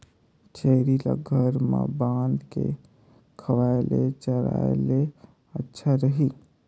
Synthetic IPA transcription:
t͡ʃəɾilaɡʱəɾmã̰bãːnd̪ke | kʰəʋaelet͡ʃəɾa̰ele | ətːʃʰaɾəɦi

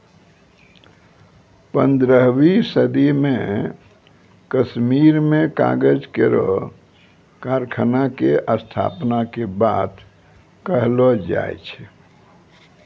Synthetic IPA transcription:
pə̃nd̪ɾəɦwisəd̪imẽ | kəsmiɾmẽka̰ɡəd͡ʒkeɾo̰ | kaɾkʰənakeʔəst̪ʰa̰pnakebaːt̪ | kəɦlod͡ʒa̰ḛt͡ʃʰɛ

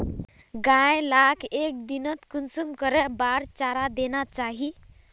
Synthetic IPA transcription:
ɡãjlakʰek̚d̪inət̪kunsumkəɾɛbaɾt͡ʃaɾad̪enat͡ʃaɦi

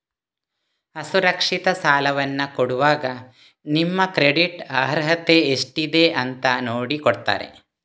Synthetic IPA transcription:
ɐsuɾɐkʂit̪ɐsaːlɐʋɐnːɐkoɽuʋaːɡɐ | nimːɐkɾeɽiʈɐɦɾɐɦɐt̪eːʂʈid̪eʔɐnt̪ɐnoːɽikɔɽt̪a̰ːɾḛ

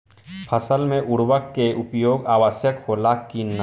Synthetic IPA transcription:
pʰəsəlmẽʔʊɽwəkːeʔʊpjoːɡaːʋəsjəkholakin

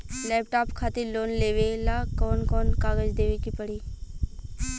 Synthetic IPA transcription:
lɛːpʈaːpkʰaːt̪eloːnleːʋelakɔːnkɔːnkaːɡəd͡ʒd̪eːʋekipɐɽiː

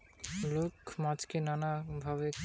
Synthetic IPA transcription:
lokmãd͡ʑkenanabʱaβe

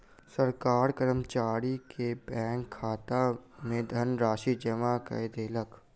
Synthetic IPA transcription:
səɾkaːɾkəɾəmt͡ʃaːɾikebɛ̃ːŋkʰːaːt̪amẽd̪ʱɐnɾaːʃid͡ʒəmakə̰jd̪eːlək

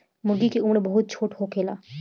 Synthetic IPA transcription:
məɡikiumɾebɔɦut̪̚t͡ɕʰoʈɦokʰela

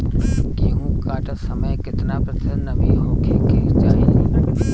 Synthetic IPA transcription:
keɦũkaːʈsɐməjkɪt̪ɪnapɾɐt̪ʰɪnɐʋiɦõkʰeːkʰeːt͡ɕaːɦi

